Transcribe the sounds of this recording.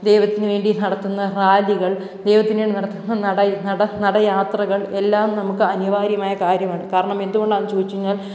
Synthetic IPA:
d̪e̞jʋɐt̪ːinɨʋe̞ːɳɖinɐɽɐt̪ːunːɐraːliɣɐɭ | d̪e̞jʋɐt̪ːineːɳnɐɽɐt̪ːunːɐnɐɽɐnɐɽɐnɐɽɐjaːt̪rɐɣɐɭe̞lːaːmnɐmukːɨɐniʋaːɾjɐmaːjɐkaːɾjɐmaːɳɨkaːɾɐɳɐme̞nd̪uɣo̞ɳɖaːnːɨt͡ɕoːʋit͡ɕːiɲːaːl

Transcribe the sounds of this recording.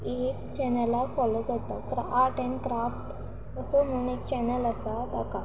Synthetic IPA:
ekt͡ɕɛnəlːafɔlok̪əɾt̪akɾaaɾʈenkɾafʈ | əsom̤ənekt͡ɕɛnələsat̪aka

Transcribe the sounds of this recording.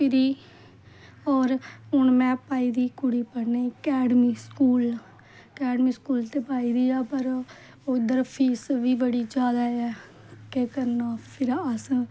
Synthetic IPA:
pɪɾiː | ɔːɾʊɳmɛ̃ːpaːiːd̪iːkʊɽiːpəɽnekɛːɖmiːskuːl | kɛːɖmiːskuːlt̪eːpaːiːd̪iːaːpəɾ | oːd̪əɾpʰiːsʋiːbəɽiːd͡ʒjaːd̪aːɛː | kekəɾnaːpʰɪɾəs

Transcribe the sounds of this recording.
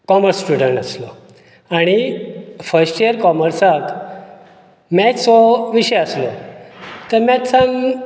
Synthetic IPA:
kɔməɾsːʈuɽəɳʈəslɔ | aɽ̃ifəɾsʈiəɾkɔməɾsak̪ | mɛt͡ssɔʋiɕɛjəslɔ | t̪əɾmɛt͡ssan

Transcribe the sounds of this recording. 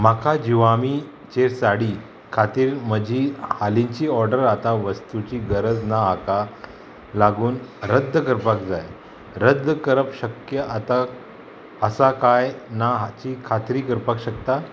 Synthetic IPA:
makʰad͡ʑiʋami | t͡ɕeɾsaɽiː | kʰat̪iːɾməd͡ʑʱihalĩɲt͡ɕiːɔɾɖəɾat̪aʋəst̪ut͡ɕiːɡəɾəd͡znaɦaka | laɡuːnɾəd̪ʱːəkəɾpakd͡zaj | ɾəd̪ʱːəkəɾəpɕəkjəʔat̪a | əsakajnaɦat͡ɕiːkʰat̪ɾiːkəɾpakɕəkt̪a

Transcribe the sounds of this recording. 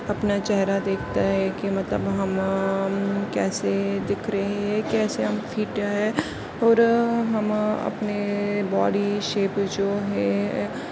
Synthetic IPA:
ɐpnat͡ʃɛɦɾad̪eːkʰt̪aɦɛ̃kimɐt̪lə̰bɦɐm | kɛːsed̪ɪkʰɾɐɦẽɦɛ̃kɛːseɦɐmfʰiːʈaɦɛ | ɔːɾɦɐmɐ̰pnebɔːɖiʃeːpd͡ʒoːɦɛ̃

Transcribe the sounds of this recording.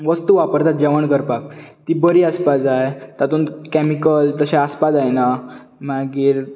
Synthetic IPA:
ʋəst̪uʋapəɾt̪at̪̚d͡ʑɛʋəɳkəɾpak̚t̪iːbəɾiːəspad͡zajt̪at̪uːnkɛmikəlt̪əɕẽəspad͡zajna | maɡiːɾ

